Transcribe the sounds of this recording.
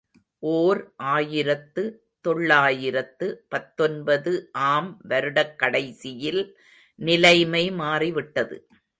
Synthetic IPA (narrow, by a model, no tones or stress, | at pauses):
ʔoːɾʔaːjɪɾɐt̪ːɯ | t̪ɔɭːaːjɪɾɐt̪ːɯpɐt̪ːɔnbɐðɯʔaːmʋɐɾɯɽɐkːɐɽɐɪsɪjɪl | nɪlɐɪmɐɪmaːriʋɪʈːɐðɯ̰